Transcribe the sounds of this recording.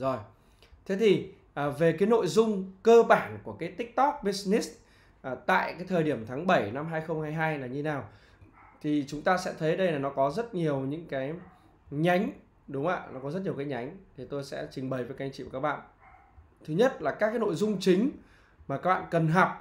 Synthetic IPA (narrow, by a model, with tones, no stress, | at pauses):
zo˨˩j | t̪ʰe˨˦t̪ʰi˨˩ | ʔə˨˩ve˨˩kaː˨˦jno̰˧˨jzʊ˧ŋ͡mkəː˧ɓaː˧˩nku˧˩əkaː˨˦jt̪ï˥k̚t̪ɔ˦˥k̚ɓi˦˧˥sni˦˥s | ʔt̪a̰ː˧˨jkaː˨˦jt̪ʰəː˨˩ɗi˧˩əmt̪ʰaː˨˦ŋɓə˧˩jna˧mɦaː˧jxə˧wŋ͡mhaː˧jɦaː˧jlaː˨˩ɲɨ˧naː˨˩w | t̪ʰi˨˩t͡ɕʊ˨˦ŋ͡mt̪aː˧sɛ̰˧˥t̪ʰə˨˦jə˧˦ɗə˧jlaː˨˩nɔ˨˦kɔ˨˦zə˦˥t̚ɲi˨˩əwɲɨ̰˧˥ŋkaː˨˦j | ɲa˨˦jŋ̟ | ɗʊ˨˦ŋ͡mʔa̰ː˧˨nɔ˨˦kɔ˨˦zə˦˥t̚ɲi˨˩ə˩kːaː˨˦jɲa˨˦jŋ̟t̪ʰi˨˩t̪o˧jsɛ̰˧˥t͡ɕï˨˩ŋ̟ɓə˨˩jvəː˨˦ka˧ŋt͡ɕḭ˧˨˩kːaː˦˥k̚ɓa̰ː˧˨n | t̪ʰɨ˨˦ɲə˦˥t̚laː˨˩kaː˦˥kaː˨˦jno̰˧˨jzʊ˧ŋ͡mt͡ɕï˨˦ŋ̟ | maː˨˩kaː˦˥k̚ɓa̰ː˧˨nkə˨˩nɦa˨˩p̚